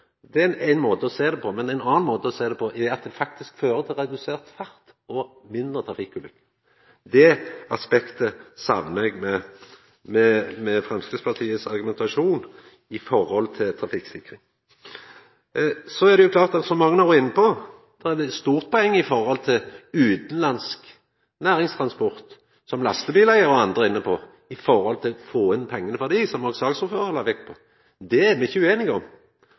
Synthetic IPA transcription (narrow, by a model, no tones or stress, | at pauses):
d̪ɛæɪnmoːt̪əɔseːd̪ɛpʰɔmɛnæɪnɑːnnmoːt̪əɔseːd̪ɛpʰɔʔɛɑt̪̚d̪ɛfɑk̚t̪ɪskføːɾət̪ʰɪlʁɛd̪ʉseːʁt̪fæɾt̪ | ɔ | mɪnd̪ʁət̪ʰɾɑfɪkːʉːlʏkːə̥ | d̪ɛɑspɛkt̪əsɑ̰ʋnɛɡmɛ | mɛmɛfʁɛmskəspʰɑʁt̪ʰiːəsɑɾɡʉmɛnt̪ɑʂuːn | ɪfɔɾhɔlt̪ʰɪlt̪ʰɾɑfɪksɪkʁɪŋ | sɔæʁd̪ɛjʊklɑːʁt̪ɑt̪sɔmːɑŋːənɑʁɪnːəpɔ | d̪̥æʁɛd̪ɛst̪uːʁt̪̚pʰɔɛŋːɪfɔɾhɔlt̪ʰɪlʉːt̪n̩lɑnsk | næːɾɪŋst̪ʰʁɑnspɔʁt̪ | sɔmlɑst̪əbiːlæɪəɾɔɑnd̪ʁəɪnːəpʰɔ | ɪfɔɾhɔlt̪ʰɪlfoːɪnpʰɛŋːənəʋæʁd̪iːsɔmɔɡsɑːɡsɔføːɾəlɑʋɛk̚t̪̚pʰɔ | d̪ɛæmɛçʉːeːnɪɡəɔm